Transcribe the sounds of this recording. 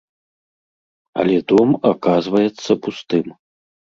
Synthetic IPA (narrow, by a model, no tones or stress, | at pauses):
ɐ̰lʲɛd̪ɔmakazvɐjɛt̪sːɐpust̪ɨm